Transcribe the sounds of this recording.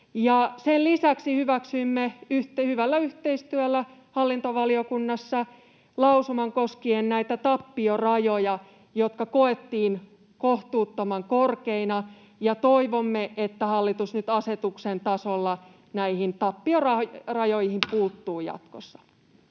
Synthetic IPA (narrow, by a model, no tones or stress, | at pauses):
jɑsellisæksihyʋæksyimːeyht̪hyʋælːæyht̪eist̪yælːæhɑlːint̪oʋɑliokunːɑsːɑ | lɑusumɑŋkoskiennæit̪æt̪ɑpːiorɑjojɑ | jot̪kɑkoet̪ːiːn | koht̪uːt̪ːomɑŋkorkeinɑ | jɑt̪oiʋomːeʔet̪ːæhɑlːit̪usnyt̪ɑset̪uksent̪ɑsolːɑ | næihint̪ɑpːiorɑrɑjojhimpuːt̪ːuːjɑ̰t̪kosːɑ̥